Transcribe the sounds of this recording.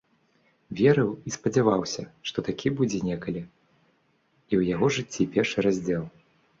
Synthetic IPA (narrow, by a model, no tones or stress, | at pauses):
vʲɛɾɨwispɐd͡zʲavawsʲɐʂt̪ɔt̪akʲʰibud͡zʲɛnʲɛkɐlʲi | iwjaɣɔʐɨt͡sʲːipʲɛrʂɨɾazʲd͡zʲɛlˠ